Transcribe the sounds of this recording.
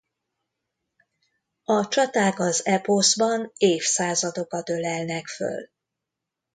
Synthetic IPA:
ɒt͡ʃɒt̪aːɡɒzɛpozbɒneːfsaːzɒd̪o̞kɒt̪ø̞lɛlnɛkfø̰l

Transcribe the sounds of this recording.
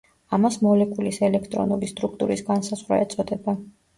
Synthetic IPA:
amasmɔlɛkʼulisɛlɛkʰt̪ʼɾɔ̰nulist̪ʼɾuk̚ʰt̪ʼuɾisɡansazʁwɾa̰ɛt̪sʼɔd̪ɛba

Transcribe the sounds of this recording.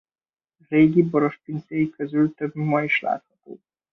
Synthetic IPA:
reːɡiboɾoʃpint̪sejikøzylt̪øbmɒjiʃla̰ːt̪hɒt̪o̰ː

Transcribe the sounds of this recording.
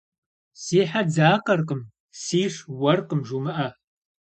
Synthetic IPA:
siːħad͡zaːqɐrqʼəm | siːʂwɐrqəmʒumɐʔɐ

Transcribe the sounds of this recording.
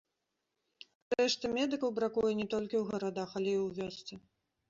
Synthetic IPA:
ɾɛʂt̪ɨmʲɛd̪ɨkɐwbɾakujɛnʲɛt̪ɔlʲkʲiwɣɐɾad̪axɐlʲɛiwvʲɔst̪sɛ

